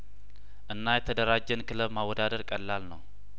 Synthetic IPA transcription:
ʔɨnːajɛt̪ʰəd̪əɾad͡ʒːɛnkʰɨləβmawːɔd̪ad̪əɾkʼəlːalnəw

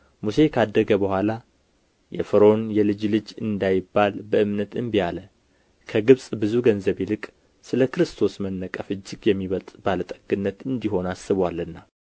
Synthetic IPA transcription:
muse̞kʰad̪ːəɡəbəhʷwʷala | jɛ̰fɨɾo̞njɛlɨd͡ʒlɨd͡ʒɨ̰nd̪ajɪbːalbəʔɨmnət̪ɨnbijalə | kʰəɡɨβsʼbɨzuɡənzəβelɨkʼ | sɨləkɨɾɨst̪ʰo̞smənːəkʼəfɨd͡ʒːɪɡjɛmːiβət̪ʼb̥alət̪ʼə̥ɡ̥ɨnːət̪ɨnd̪iɦo̞nasɨβwalɨnːa

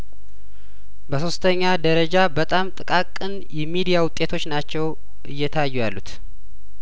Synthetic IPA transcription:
bəso̞st̪ʰəɲːad̪əɾəd͡ʒabət̪ʼamt̪ʼɨkʼakʼːɨn | jɛmid̪ijawʊt̪ʼːe̞t̪ʰo̞t͡ʃːnat͡ʃːɛw | ʔɨjːɛt̪ʰajːujalːut̪

